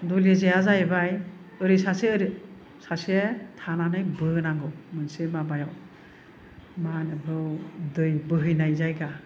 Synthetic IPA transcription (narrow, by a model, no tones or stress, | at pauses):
dulezeazajbaj | ɯɾisaseɯɾi | sasetʰananɯjbɯnaŋɡɯwmɯnsemabajaw | manɯbɯwdɯjbɯɦɯjnajzajɡa